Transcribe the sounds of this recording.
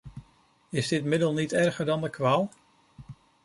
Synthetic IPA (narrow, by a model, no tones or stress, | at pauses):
ɪzdɪtmɪdəlˠnitɛɹχəɹdɑndəkʋaːlˠ